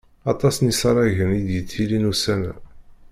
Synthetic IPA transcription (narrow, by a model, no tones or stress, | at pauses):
ɑt̪ˤɑsnisɑɾˤæʝənid̪jət̪ːilinusænæ̰